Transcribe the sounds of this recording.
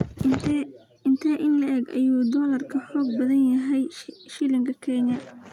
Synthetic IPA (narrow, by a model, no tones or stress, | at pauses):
ɪnt̪ʰɐːʔɪnlɐʔɛːɡʔɐ̰juːd̪ɔːlɐrkʰɐħɔːɡ̚bɐðɐnjɐɦɛjʃɪlɪŋkʰɐkʰɛnɐ